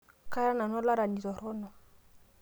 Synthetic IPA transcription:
ka˦ɾa˦na˨nɔ˦la˦ɾa˨ni˨ɾɔ˨ɾɔ˦nɔ˨

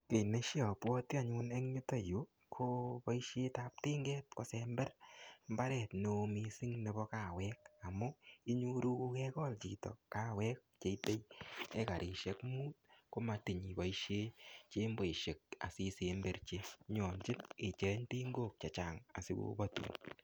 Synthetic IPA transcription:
ke˨ne˦ʃjɔ˨pwɔ˦ti˦a˨ɲu˧nɛ˦ŋɲu˦to˨ju˨˦ | kʰo˦pɔ˦i˦ʃje˦tap̚te˦ŋɡɛ˦t̚ko˦sɛ˧mbɛ˦rmba˦ɾɛ˨tno˨˧mi˧si˦ŋne˨˧bɔ˧ka˨wɛk̚a˨mʊ˦i˦ɲu˦ɾu˦ku˧kɛkɔ˦lt͡ʃi˨tɔ̰˨ka˦wɛ˦k̚t͡ʃe˨˦te˦jɛ˦ka˨ɾʔi˨ʃɛ˦kmuː˦t̚ko˦ma˧ti˨ɲi˨bɔ˨iʃe˦t͡ʃe˦mbo˨i˨ʃe˨k̚a̰˨si˦se˨mbe˨rt͡ʃe˦ɲɔ˨nt͡ʃɪ˦ne˨t͡ʃe˨˦ɲti˦ŋɡo˦k̚t͡ʃa˨t͡ʃa˨ŋa̰˨si˦ko̰˧˦ba˦tṵ˨

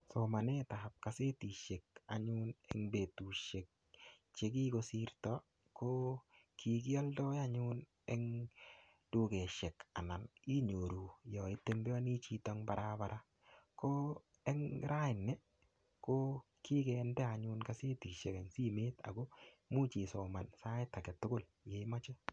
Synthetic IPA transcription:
so˨ma˨ne˦ta˨p̚ka˨se˦ti˨ʃe˨k̚a˨ɲʊ˦nɛ̰˦ŋbe˨tu˨ʃe˨k̚ | t͡ʃe˦k̬i˦ko˦si˦ɾtɔ˦ | ko˦ | ki˨ɡ̬i˦ɔ˦ldɔ˦ja˦ɲʊ˦n | ɛ˦ŋ | d̥u˦kɛ˨ʃe˨ka˨na˨ni˦ɲo˨ɾu˨jɔ˨ɪte˦mbɔ˦ni˦t͡ʃi˦tɔŋba˨ɾʔaba˨ɾʔa˦ | ko˦ | ɛ˦ŋɾa˦ɪ˨ne˦ | ko˦ | ki˦kɛ˨ndɛ˦a˨ɲʊ˦nka˦se˦ti˨ʃe˨kɛ˨ŋsi˦me˦ta̰˨ɡo˦ | mu˦t͡ʃi˨sɔ˨ma˨nsa˦ɪ˦ta˨ɡɛ˨tʊ˦ɡʊ˦l | je˨ma˦t͡ʃɛ˦

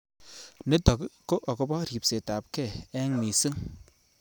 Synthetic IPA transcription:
ne˦tɔ˨kko˦ʔɔ˨ko˦bɔ˦ɾi˨p̚se˨ta˨p̚ke˦˨ɛ˦ŋmi˨si˦ŋ

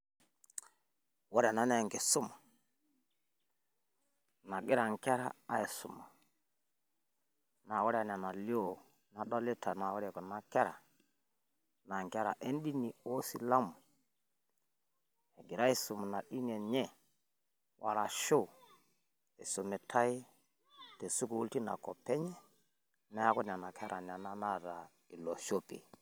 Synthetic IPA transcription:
wɔ˦ɾɛ˨na˨˦na˦˨ŋɡɛ˨sʊ˦ma˨ | na˨ɡɪ˦ɾa˨ŋkɛ˦ɾaː˦i˨sʊ̰˨ma˨ | na˨wɔ˦ɾa˨n˨a˨na˨li˦o˦˨ | na˨ɗɔ˦lɪ˦ta˨na˨wɔ˦ɾɛ˨kɔ˨na˨kɛ˦ɾa̰˨ | na˨ŋ˨kɛ˦ɾa̰˨ʔe˦n˦di˦ni˨o˦sḭ˦la˦mu˨ | e˨ɡi˨ɾa˦i˦su˨m˨na˨ɗi˦nɛ˨ɲɛ˦ | wʔa̰˨ɾa˨ʃo˦˨ | e˨su˨mɛ˨tʰa˦i˦ | te˨su˦ku˨wu˦lti˦na̰˨kɔ˨pɛ˦ɲɛ˦ | na˦ja˦ku˦n˨a˨na˨kʰɛ˦ɾʔa˨n˨a˨na˦na˦ta˨ | i˨lo˨ʃo˦pḛ˨

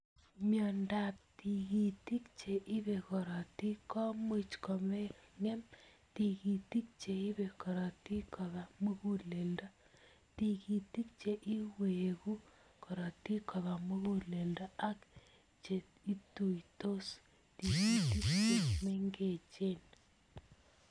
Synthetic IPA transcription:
mjɔ˨nda˨p̚ti˨ki˨ti˦k̚t͡ʃe˨ʔi˦be˨kɔ˨ɾɔ˨ti˦kɔ˦mi˦t͡ʃkɔ˨mɛ˦ŋɛ˦m | ti˨ki˨ti˦k̚t͡ʃe˨i˦be˨kɔ˨ɾɔ˨ti˦kɔ˨βa˨mu˦ku˦le˨ldɔ˦ | ti˨ki˨ti˦k̚t͡ʃe˨ʔi˦we˨ku˦ | kɔ˨ɾɔ˨ti˦kɔ˨βa˨mu˦kule˨ldɔ˦ʔa˦k | t͡ʃe˨ti˦tu˨jto˦s | ti˨ki˨ti˦kt͡ʃe˦˨meŋɡe˨t͡ʃe˦n

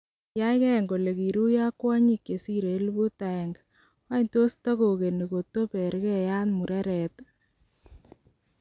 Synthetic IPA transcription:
ja˦jkɛ˦˨ŋɡo˨le˨ɣi˨ɾu˦ja˦kwa˦ɲi˦kːe˨si˦ɾe˨˦lbu˦ta˨ɛ˨ŋɡ | wa˦i˦nto˦sta˦ɣo˨ɣe˨ne˨ɡo˨to˦pɛ˨ɾkɛ˦ja˦nmu˨ɾɛ˦ɾɛ˨t

